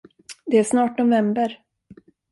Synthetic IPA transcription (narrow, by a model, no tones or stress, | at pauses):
d̪ɛæʂnɑːʈnʊvɛmbəɾ